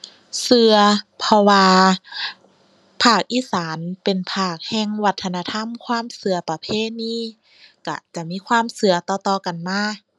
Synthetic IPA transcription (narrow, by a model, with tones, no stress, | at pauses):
sɯ˧ɐpʰɔ˧waː˧ | pʰaː˧˩k̚ʔiː˧˥˨saː˨˦npe˨˩npʰaː˧˩k̚hɛː˧˩ŋwa˧t̪ʰːa˧na˧t̪ʰa˧˥˨mkʰwaː˧˥˨msɯ˧ɐpa˧pʰeː˧˥˨niː˧˥˨ | ka̰˧˩t͡ɕa˧˩miː˧˥˨kʰwaː˧˥˨msɯ˧ɐt̪ɔː˧˩t̪ɔː˧˩ka˨nmaː˧˥˩